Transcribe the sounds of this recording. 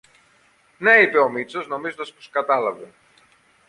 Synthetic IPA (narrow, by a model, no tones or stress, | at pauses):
neipe̞omit͡so̞zno̞mizond̪ɐspo̥skɐt̪ɐlɐve